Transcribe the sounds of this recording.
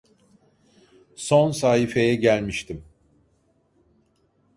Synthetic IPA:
so̞nsaːhife̞jɛɟælʲmiʃt̪ʰim

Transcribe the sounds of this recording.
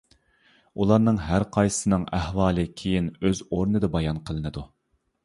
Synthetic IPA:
ulˠɑɾnɨŋɦæɾqʰɑjsɨ̥sɨnɨŋæhwɑːlˠɨkʲʰejinøzoɾnɨd̪ɑbɑjɑnqʰəlˠɨnɨd̪u

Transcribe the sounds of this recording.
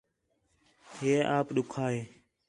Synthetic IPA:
ɦeːʔaːpɗʊkʰaːɦeː

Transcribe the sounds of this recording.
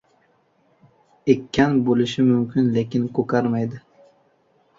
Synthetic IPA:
ekʲʰːanbolɪʃɪmʊmkʲɪnlekʲɪnkʰokʰaɾmajd̪ɪ

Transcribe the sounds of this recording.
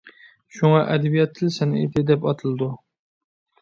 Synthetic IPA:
ʃuŋɑʔɛd̪ɛbijɛt̪ʰːɪlsɛnḛd̪ɪd̪ɛpɑt̪ʰɨlˠɨd̪u

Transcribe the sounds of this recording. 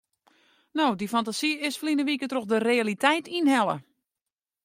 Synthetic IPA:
nowdifantasiɪsflinəʋikətroxdərealitɛjtʰinhɛlˠə̰

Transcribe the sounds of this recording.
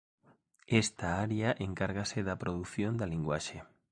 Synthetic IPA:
est̪aaɾjaʔeŋkaɾɣaseðapɾoð̞uθjond̪aliŋɡwa̰ʃe

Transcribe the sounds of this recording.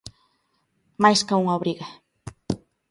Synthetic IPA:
majskauŋaβɾiɣa

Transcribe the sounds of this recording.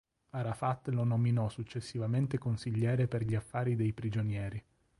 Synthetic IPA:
aɾafat̪ːlonominɔsut͡ʃːesːivament̪ekonsiʎːɛːɾeperʎiafːaːɾid̪ejpɾid͡ʒonjɛːɾi

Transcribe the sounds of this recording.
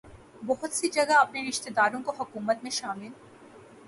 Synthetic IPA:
bɔɦʊt̪sid͡ʒɐɡaɐpneɾɪʃt̪ed̪aːɾõkoɦɐkuːmət̪mẽʃaːmɪl

